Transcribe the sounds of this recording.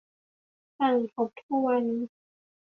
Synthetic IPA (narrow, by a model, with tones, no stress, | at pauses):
taː˨˩ŋ˨pʰo˧˦˥p̚t̪ʰu˦˥k̚wa˧nːi˦˥